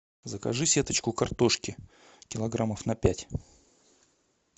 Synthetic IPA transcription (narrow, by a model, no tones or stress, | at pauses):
zəkɐʐɨsʲe̞t̪ət͡ɕkʊkɐrt̪o̞ʂkʲɪ | kʲɪlˠɐɡɾaməfnɐpʲætʲ